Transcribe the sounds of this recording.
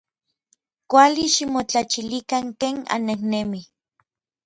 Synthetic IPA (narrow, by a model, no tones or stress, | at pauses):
kʷaliʃimot͡ɬat͡ʃilikaŋkeːŋa̰nːehnemi